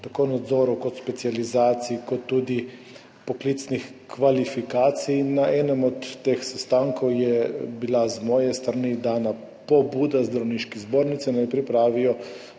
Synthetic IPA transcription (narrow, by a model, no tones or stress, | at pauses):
t̪akoːnad̪zɔːɾɔwkɔt̪spɛt̪sializaːt̪sikɔt̪ːuːd̪i | pɔkliːt̪snixkʋalifikaːt̪sijːaʔɛːnɛmɔt̪ːexsɛst̪aːŋkɔwjɛbilazmɔːjɛst̪ɾanid̪aːna | pɔbuːd̪azd̪ɾawniːʃkɛzboːɾnit̪sɛnajpɾipɾaːʋijɔ